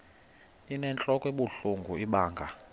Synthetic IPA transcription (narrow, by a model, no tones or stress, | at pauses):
inɛnt͡ɬʼɔkʼweɓuɬuŋɡʱuiɓaːŋɡʱa